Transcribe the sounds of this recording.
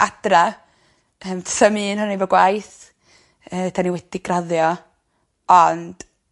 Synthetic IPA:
ʔadra | əːmtsəmɨːnhʊnejvɔɡwajθ | əːtʰaniwɛd̥iɡraðjɔ | ɔnd̥

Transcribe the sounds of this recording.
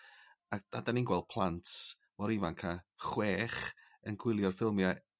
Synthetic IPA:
akd̥adaninɡwɛlˠd̥̚pʰlˠantʰ | mɔɾɪvankʰaχweːχ | ənɡʰwɪlˠjɔrfɪlˠmja

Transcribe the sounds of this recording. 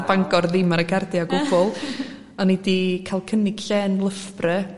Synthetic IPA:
baŋɡɔrðɪmaɾəɡʰardɪaɡʊbʊlˠ | ɔnidikʰajlˠkʰənɪɡ̥ɬɛnlˠəfbrɛ

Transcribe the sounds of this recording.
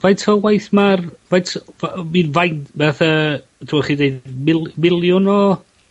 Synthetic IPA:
vajtʰɔwajθmarvajtʰvaminvajntbɛθa | tʰuɔχidejdmɪlˠmɪlˠjʊnɔ

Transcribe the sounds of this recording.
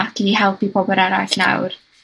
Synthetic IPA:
akʰihɛlˠpibɔbɔɾɛɾa̰jɬna̰wr

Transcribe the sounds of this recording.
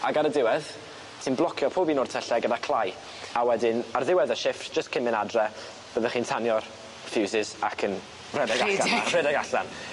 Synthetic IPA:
aɡaɾədɪwɛð | tʰiːnblˠɔkʰjɔpʰoːbiːnʊrtʰɛɬɛɡədakʰlˠaj | awɛdɪnarðɪwɛðəʃɪftd͡ʒ̥əskʰɪmɪnadrɛ | b̥əðəχiːntʰanjɔr | fɪwzɪsakʰən | rɛdɛɡaɬarɛdɛɡaɬan

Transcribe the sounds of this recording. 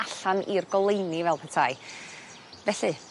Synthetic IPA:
aɬanirɡɔlˠejnivɛlˠpʰɛtʰaɨ | vɛɬɨ

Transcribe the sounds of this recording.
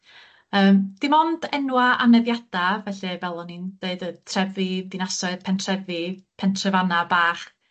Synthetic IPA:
əːmd̥imɔnd̥ɛnwaʔanɛðjad̥avɛɬɨvɛlˠɔnind̥eɨdətʰrɛvidinasɔɨðpʰɛntʰrɛvipʰɛntʰrɛvanabaːχ

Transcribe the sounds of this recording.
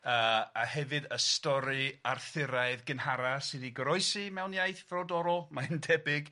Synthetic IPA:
əahɛvɨdəstɔɾɨarθɪɾaɨðɡənhaɾasɨniɡɾɔɨsimɛwnjajθvrɔdɔɾɔlˠmaɪndʰɛbɪɡ

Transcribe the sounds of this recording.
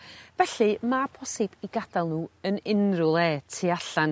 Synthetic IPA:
vɛɬɨmapʰɔsɪb̥iɡadalˠnuːənɪnrʊlˠɛːtʰiaɬan

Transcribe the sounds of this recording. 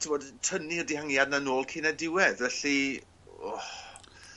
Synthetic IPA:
tʰɪbodtʰənirdihaŋjadnanoːlˠkʰiːnɛdɪwɛðvɛɬi | ɔ̰

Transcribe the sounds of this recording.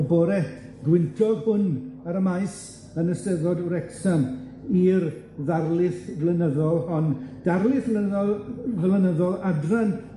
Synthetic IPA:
bɔɾɛtɡwɪntʰɔbʊnaɾəmaɨs | ənəsɛðɔduɾɛksan | ir | ðarlˠɪθvlənəðɔlˠhɔnd̥arlˠɪθəðɔlˠðlənəðɔlˠadran

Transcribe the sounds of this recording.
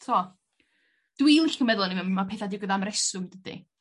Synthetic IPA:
tʰo | d̥wilˠɪɬkəmɛðʊlˠnimɪnmapʰeːθadɪwɡəðamɾɛsʊɡdədḭ

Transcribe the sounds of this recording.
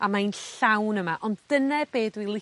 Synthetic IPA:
amainɬawnəmaʔɔnddənɛbeːdwilˠɪ

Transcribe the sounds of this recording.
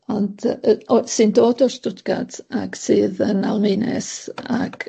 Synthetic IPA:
ɔndɔsɨndoːdɔstʊdɡ̥a̰d̥aɡ̥sɨːðənalˠmejnɛ̰saɡ̥

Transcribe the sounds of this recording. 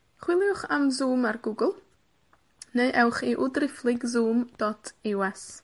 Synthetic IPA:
χwɪlˠjʊχamzuːmarɡuːɡəlˠ | neɨʔɛwχiʔʊdrɪflˠɪɡzuːmd̥ɔtʰiwɛs

